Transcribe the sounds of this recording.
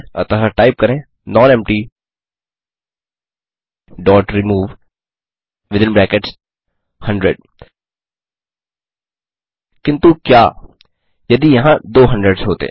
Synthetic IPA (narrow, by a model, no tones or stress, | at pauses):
ɐ̰t̪əɦəʈaːɪp̚kɐɾẽː | nɔːnɛ̃ːmʈi | ɖɔːʈɾimuːʋ | ʋɪd̪ɪ̃nbɾɛ̃ːkeʈs | hɐ̃ɳɖɾḛɖ̚ | kɪ̃nt̪ukjaː | jɐd̪ijɐɦãd̪oːɦɐ̃ɳɖɾeɖsɦoːt̪ḛ